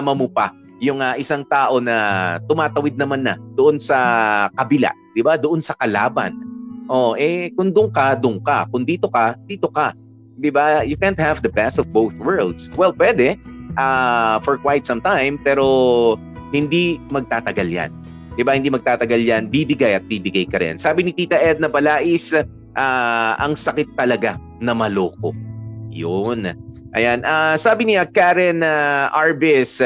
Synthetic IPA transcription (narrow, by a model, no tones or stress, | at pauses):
amɐmopa | jʊŋaʔɪsaŋt̪aːʔo̞nɐt̪ʊmaːt̪ɐwɪd̪̚nɐmanːɐ̰d̪̥oʔonsɐkɐbɪla̰ʔd̪̥ɪbad̪oʔonsɐkɐla̰ːbɐ̰nʔoʔɛkʊŋd̪ʊŋkɐd̪ʊŋka̰kʊŋd̪iːt̪o̞kɐd̪̥iːt̪o̞ka | d̪ɪbajʊkɛ̃nt̪̚havd̪ɐpɛsɔvbowθwɛɹld̪swɛlpwɛd̪ɛʔafɔɹkwajt̪sɐ̃mt̪ãjmpɛːɾo̞ | hɪnd̪imɐɡ̚t̪aːt̪ɐɡalja̰n | d̪ɪbahɪnd̪imɐɡ̚t̪aːt̪ɐɡaljanbibɪɡajɐt̪̚biːbɪɡajkɐɾɛ̰nsaːbɪnɪt̪iːt̪ɐʔɛd̪̚nɐpɐlaːʔɪs | ʔaʔɐ̰ŋsɐkɪt̪ːɐlɐɡa | nɐmɐloːko̰jon | ʔɐ̰janʔasaːbɪnɪɐkaɾɛnaʔaɹbɛs